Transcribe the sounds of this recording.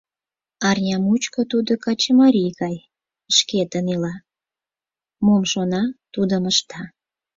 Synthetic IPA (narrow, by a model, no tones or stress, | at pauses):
ɑrnʲɑmut͡ɕkot̪ud̪okɑt͡ɕəmɑɾʲiɣɑj | əʃket̪ənilɑ | momʃonɑt̪ud̪əməʃt̪ɑ